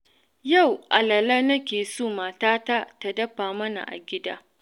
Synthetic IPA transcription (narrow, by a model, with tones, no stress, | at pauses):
ja˦˨wʔa˨lɐ˨lɐ˦nɐ˦kʲeː˨soː˦˨maː˨taː˦ta˦ta˨dɐ˦ɸaː˨mɐ˦na̰˨ʔa̰˨ɡʲɪ˦daː˦